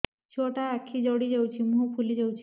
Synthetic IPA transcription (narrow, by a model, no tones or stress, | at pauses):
t͡ʃʰoʈaːkʰːid͡ʒɔɽid͡ʒewt͡ʃʰimuɦupʰulid͡ʒewt͡ʃʰi